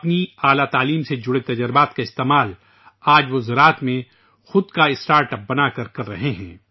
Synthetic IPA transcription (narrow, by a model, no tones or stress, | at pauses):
ɐpniaːlat̪aːliːmsed͡ʒʊɽet̪ɐd͡ʒəɾbaːt̪kaɪst̪eːmaːl | aːd͡ʒʋozɐɾaːt̪mẽ | xʊd̪kaɪsʈaːɾʈəp̚bɐnakɐɾkɐɾːɐɦeɦɛ̃ː